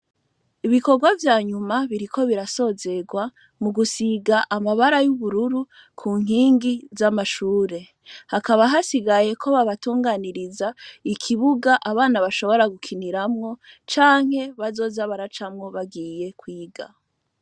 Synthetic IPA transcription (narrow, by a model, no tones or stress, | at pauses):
iβiko̞ɾɡwavjaːɲumaβiɾikʰo̞βiɾaso̞ːze̞ɡwa | muɡusiɡaʔamaβaɾajuβuɾuɾu | kʰuːŋ̥ɦiːŋɡizamaʃuːɾe̞ | hakaβaɦasiɡaje̞kʰo̞βaβatuːŋɡaːniɾizaikʰiβuɡaʔaβaːnaβaʃo̞βo̞ɾaɡukʰiniɾamŋo̞ | t͡ʃaːŋ̥he̞βazo̞ːzaβaɾat͡ʃamŋo̞βaɡiːje̞kwiːɡa̰